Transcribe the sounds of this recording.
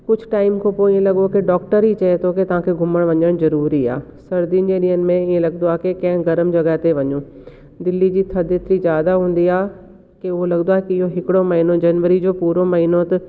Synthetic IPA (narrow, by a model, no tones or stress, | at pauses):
kʊd͡ʑʱʊʈaːɪmkʰõpoːĩːẽlɐɠokeɖɔːk̚ʈəɾit͡ɕɐet̪ʰoket̪ɐʋ̤ãːkʰeɡʱʊməɽ̃ʋɐɲəɽ̃zɐɾuːɾia̰ː | sɐɾd̪iənɪ̆d͡ʑẽːɗiːənɪ̆mẽiːẽlɐɡnd̪oaːɦekekɐ̃ɦɪ̃ɡɐɾəmd͡ʑɐɡəɦt̪eʋɐɲũː | d̪ɪlːid͡ʑiːt̪ʰɐd̪et̪ɾizjaːd̪aɦũːn̆d̪iaːɦ | keʊɦolɐɡnd̪oaːɦekiɪɦoɦɪkɪɽomɐɦinod͡ʑɐnʋəɾid͡ʑoːpuːɾomɐɦiːnot̪ɐ